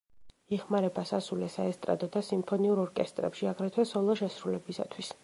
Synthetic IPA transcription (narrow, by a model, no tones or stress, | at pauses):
iχmaɾɛbasasulɛsaɛst̪ʼɾa̰d̪ɔd̪asimpʰɔniuɾɔɾkʼɛst̪ʼɾɛ̰pʃiaɡɾɛt̪ʰwɛsɔlˠɔʃɛsɾulɛbisa̰t̪ʰwis